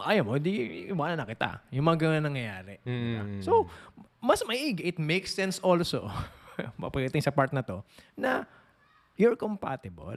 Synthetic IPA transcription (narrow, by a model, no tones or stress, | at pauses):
ʔɐjɐmoɪ̃d̪iʔɪwaːnɐnɐkɪt̪a̰jʊŋmɐŋaɡɐŋanɐŋjɐjaːɾɛnɪbasowmɐsmɐiʔiɡʔɪt̪̚mejksːɛnsolso̰ | mɐ̰pɐɡɐt̪ɪŋsɐpaɹt̪̚nɐt̪o̞nɐ | jʊɹkompa̰t̪ɪbɐ̰l